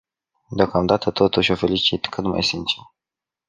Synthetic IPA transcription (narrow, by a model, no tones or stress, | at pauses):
d̪eo̞kamd̪at̪ət̪o̞t̪uʃʲo̞fe̞lit͡ʃit̪kɨt̪ma̰jsint͡ʃer